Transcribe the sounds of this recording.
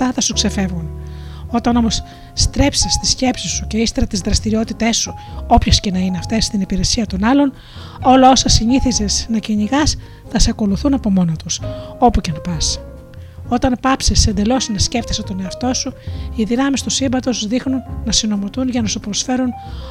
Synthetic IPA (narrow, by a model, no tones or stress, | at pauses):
t̪ɐθɐsukse̞fe̞vɣuno̞t̪ɐnomo̞sː | t̪ɾe̞psest̪isce̞psisuceist̪eɾɐt̪izðɾɐst̪iɾio̞t̪it̪e̞sːuo̞pçesce̞nɐineɐft̪e̞st̪inipiɾe̞siɐt̪o̞nɐlo̞n | o̞lɐo̞sɐsiɲiθizesnɐciɲiɣɐs | θɐseɐko̞luθunɐpo̞mo̞not̪uso̞puce̞npɐs | o̞t̪ɐnpɐpsesend̪e̞lo̞sinesceft̪eset̪o̞ne̞ɐft̪o̞suiðinɐmist̪usimbɐt̪o̞sðixnunːɐsino̞mot̪unʝɐnɐsupɾo̞sfe̞ɾun